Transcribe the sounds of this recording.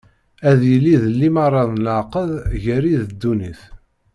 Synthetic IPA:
æðjəlːiðəlːimɑrˤːɑðlʕqəðʝəɾiðəd̪ːuniθ

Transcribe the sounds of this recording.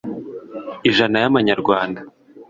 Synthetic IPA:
iʒanajaβaɲaɾɡwaːnda

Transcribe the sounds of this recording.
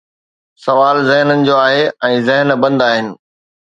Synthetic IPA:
sɐʋaːlzɪɦnənɪ̆d͡ʑoːaːɦeɛ̃ːzɪɦənbɐ̃nd̪aːɦɪnɪ̆

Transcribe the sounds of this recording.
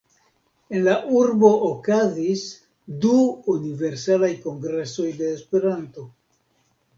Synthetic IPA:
e̞nlaʔuɾbo̞ːkazis | duunive̞ɾsalajko̞ŋɡɾe̞so̞jde̞ːspe̞ɾanto̞

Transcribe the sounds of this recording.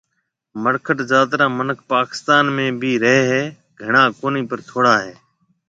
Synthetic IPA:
məɾkʰəʈzaːt̪ɾãːmənək̚ʰpaːkɪ̥st̪aːnmẽːbʱiːɾəɦeːɦeː | ɡʱəɳãːkoːniːpəɾt̪ʰoːɽaːɦeː

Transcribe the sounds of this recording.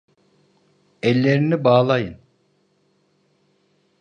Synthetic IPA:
ɛlʲːeɾinibaːlˠajɯn

